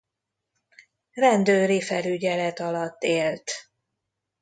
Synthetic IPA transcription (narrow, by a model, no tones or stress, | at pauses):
rɛnd̪øːɾifɛlyɟɛlɛt̪ɒlɒt̪ːeːlt̪